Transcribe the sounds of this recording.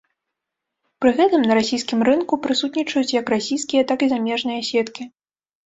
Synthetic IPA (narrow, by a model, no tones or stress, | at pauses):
pɾɨɣɛt̪ɨmnɐɾasʲijskʲimrɨnkupɾɨsut̪nʲit͡ʂɐjut͡sʲjɐkrasʲijskʲijɐt̪akizamʲɛʐnɨjɐsʲɛt̪kʲi